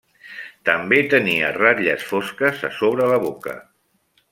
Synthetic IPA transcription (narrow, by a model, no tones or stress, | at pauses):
t̪əmbet̪əniəraʎəsfoskəzəsoβɾələβokə̰